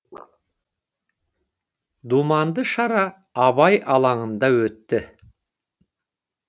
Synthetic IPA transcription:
d̪umɑnd̪əʃɑɾɑː | βɑjʔɑlˠɑɴənd̪ɑwɵt̪ːɪ

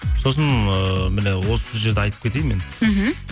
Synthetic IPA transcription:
so̞s̬ənəmɪnewo̞səʒe̞ɾd̪eɑjt̪əp̚kʰʲe̞t̪e̞jmen̩ɦ̩

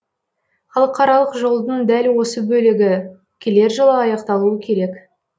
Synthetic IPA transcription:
χɑlˠəqʰɑɾɑlˠəqʒo̞lˠd̪əɴd̪ælwo̞səbɵlɪɡʲɪ | kʲʰele̞ɾʒəlˠəɑjɑqt̪ɑlˠuəkʲʰe̞ɾe̞k

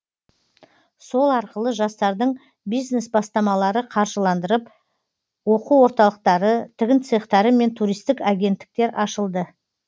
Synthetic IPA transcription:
so̞lˠɑɾqəlˠəʒɑst̪ɑɾd̪əɴ | bijzne̞sbɑst̪ɑmɑlˠɑɾəqʰɑɾʒəlˠɑnd̪əɾəp | wo̞quwo̞ɾt̪ɑlˠəq̚t̪ɑɾət̪ʰɪɡʲɪnt̪sejəqt̪ɑɾəme̞nt̪ʰuɾijst̪ɪkaɡʲe̞nt̪ːɪ̥k̚t̪e̞ɾʔɑʃəlˠd̪ə

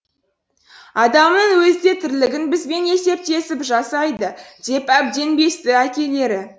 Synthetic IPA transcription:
ɑd̪ɑmnəŋwɵzd̪e̞t̪ʰɪɾlɪɡʲɪnbɪzbe̞ne̞se̞p̚t̪e̞sɪpʒɑsɑjd̪əd̪̥e̞pæb̚d̪e̞nbe̞st̪ɪækʲe̞le̞ɾɪ

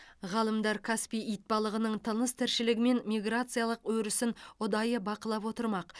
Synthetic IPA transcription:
ʁɑlˠəmd̪ɑɾkʰaspʲijijt̪̚bɑlˠəʁənəɴt̪ʰənəst̪ʰæɾʃɪlɪɡʲɪme̞nmʲiɡrat̪sɨjalˠəqwɵɾɪsɪnʊd̪ɑjəbɑqəlˠɑp̬wo̞t̪əɾmɑq

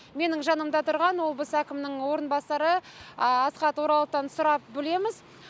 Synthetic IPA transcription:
me̞nɪŋʒɑnəmd̪ɑt̪ʰʊɾʁɑnwolˠbəsækʲɪmnɪŋwo̞ɾənbɑsɑɾəɑsqɑt̪wo̞ɾɑlˠəq̚t̪ːɑnsʊɾɑp̚bɪle̞mɪz

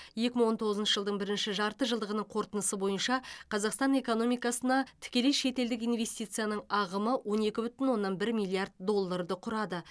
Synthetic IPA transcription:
je̞kʲɪməɴwo̞nt̪ʰo̞ʁəzənʃəʒəlˠd̪əɴbɪɾɪnʃɪʒɑɾt̪əʒəlˠd̪əʁənəɴqʰo̞ɾt̪ənəsəbo̞jənʃɑqʰɑzɑqst̪ɑne̞ko̞no̞mijkɑsənɑt̪ʰɪ̥kʲe̞le̞jʃe̞t̪e̞ld̪ɪkijnve̞st̪ijt̪sɨjanəɴɑʁəməwo̞ne̞kʲɪbʏt̪ɪnwo̞nːɑnbɪɾmijlʲˠiard̪̚d̪o̞lˠːaɾd̪əqʰʊɾɑd̪ə

